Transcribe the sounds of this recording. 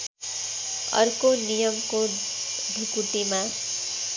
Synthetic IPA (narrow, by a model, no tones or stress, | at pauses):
ʌ̰rkonijʌmko | d̪ʱukut̪ima